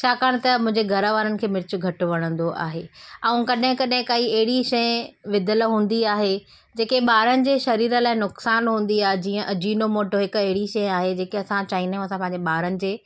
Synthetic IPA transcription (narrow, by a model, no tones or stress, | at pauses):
t͡ɕʰaːkaːɽ̃t̪ɐmʊ̃ɪ̃ɲd͡ʑeɡʱɐɾəʋaːɾənɪ̆kʰeːmɪɾɪt͡ɕʊ̆ɡʱɐʈʊ̆ʋɐɽ̃ə̃nd̪oʔa̰ːɦeːɐ̃ũkɐɗɦɪ̃kɐɗɦɪ̃kaːiɐɦɪɽiʃɐjʋɪd̪ʱəlɦũːn̆d̪iaːɦe | d͡ʑeːkeɓaːɾənɪ̆d͡ʑeːʃɐɾiːɾə̆laːɪnʊksaːnɦũːn̆d̪iaːɦed͡ʑiːə̃ʔɐd͡ʑiːnomoːʈoɦɪkʊɐɦɪɽiʃɐjaːɦed͡ʑeːkeɐsãt͡ɕaːiːnəmɐsãpɐ̃ɦɪ̃ɲd͡ʑeɓaːɾənɪ̆d͡ʑeː